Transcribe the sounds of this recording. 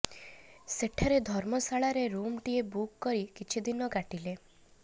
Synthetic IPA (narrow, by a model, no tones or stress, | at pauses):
seʈʰaɾed̪ʱɔɾmɔsaɭaɾeɾumʈiebukːɔɾikit͡ʃʰid̪inɔɡaʈile